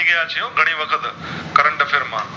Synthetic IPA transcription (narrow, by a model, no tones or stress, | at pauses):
iɡɐjat͡ʃʰɐjõːɡʱɐɽ̃iʋɐkʰət̪kɐɾə̃ɳʈfʰɪɾmã̰ː